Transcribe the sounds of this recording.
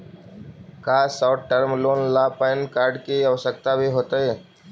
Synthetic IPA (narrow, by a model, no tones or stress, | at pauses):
kaːsaːʈʈəɾmloːnlaːpəɪnkaːɾɖkiəʋsək̚t̪abʱiɦoːt̪aɦeː